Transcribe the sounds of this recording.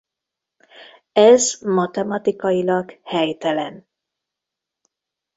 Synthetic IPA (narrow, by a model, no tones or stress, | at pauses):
ɛzmɒt̪ɛmɒt̪ikɒjilɒɡhɛjt̪ɛlɛn